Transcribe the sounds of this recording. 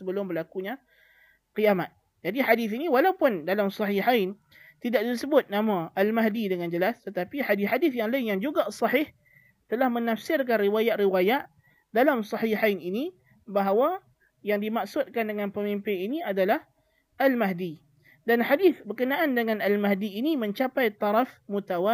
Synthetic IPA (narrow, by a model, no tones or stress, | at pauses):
səbəlʊmbərlakuɲa | qijamat̪̚ | d͡ʒadiħadɪθiniwalawpʊndalamsɑħiħajn | t̪idaʔ̚disəbʊt̪̚namãʔalmaɦdidəŋand͡ʒəlast̪ət̪apiħadiħadɪθjaŋlaɪnjaŋd͡ʒuɡasˤɑħɪh | t̪əlahmənafsɪrk̬anriwajaʔriwajaʔ | dalamsˤɑħiħajnini | baɦawa | jaŋdimaksʊt̪̚kandəŋanpəmimpɪniniadalah | ʔalmaɦdi | danħadɪθbərkənaʔandəŋanalmaɦdiːnimə̃ɲt͡ʃapajt̪ˤɑɾɑfmut̪awa